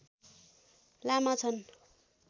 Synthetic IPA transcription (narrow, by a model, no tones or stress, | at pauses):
lamat͡sʰʌn